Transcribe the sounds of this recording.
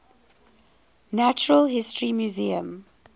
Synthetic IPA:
næt͡ʃəɹəlˠɦɪstʰɹimjuziə̰̃m

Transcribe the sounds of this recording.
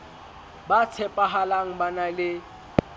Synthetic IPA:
bat͡sʰɛpʼaɦalaŋ̩banalɪ

